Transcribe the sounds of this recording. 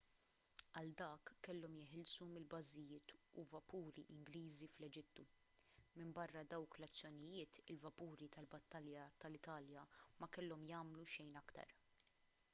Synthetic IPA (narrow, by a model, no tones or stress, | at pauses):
ɐld̪ɐːkːɛlːɔmjɪħɪlsumɪlbɐzɪjɪːt̪uvɐpuːɾḭʔɪŋɡliːziflɛd͡ʒɪt̪ːu | mɪmbɐrːɐd̪ɐwklɐt͡sːjɔnɪjɪːt̪ɪlvɐpuːɾit̪ɐlbɐt̪ːɐljɐt̪ɐlɪt̪ɐːljɐmɐkɛlːɔmjɐːmluʃɛjnɐkt̪ɐ̰ɾ